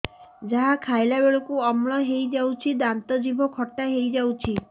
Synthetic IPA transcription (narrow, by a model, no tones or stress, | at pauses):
d͡ʒaɦakʰajlabeɭɔkuɔmɭɔɦejd͡ʒawt͡ʃʰid̪ant̪ɔd͡ʒibʱɔkʰɔʈːaɦejd͡ʒawt͡ʃʰi